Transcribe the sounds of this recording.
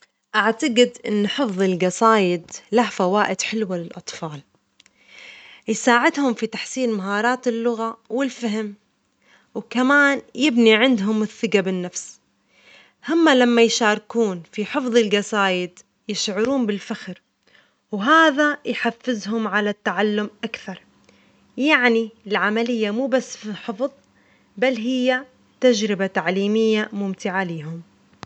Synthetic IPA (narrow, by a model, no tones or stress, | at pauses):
ʔaʕt̪aɡɪd̪ʔɪ̰nːħɨfðˤɪlɡɑsaːjɪd̪lahfawaːʔɪd̪ħɪlwalɪlʔɑt̪ˤfɑːl | jsaːʕɪd̪hʊmfit̪aħsiːnmaɦɑːɾˤɑːt̪ɪlːʊɣawɪlfaɦɪm | wkamaːnjɪbniʕɪnd̪ɦʊmɪθːɪɡabɪnːafs | hamːalamːajʃaːɾˤkuːnfiħɨfðˤɪlɡɑsaːjɪd̪ | jɪʃʕʊɾuːnbɪlfaxɾ | wɦaːðajħafːɪzhʊmʕalat̪ːaʕalːʊmʔakθɑɾˤ | jaʕniɪlʕamalɪjːamuːbasːfiħɨfðˤ | balːɦɪjːa | t̪ad͡ʒɾɪbat̪aʕliːmɪjːamʊmt̪ɪʕaliːɦʊm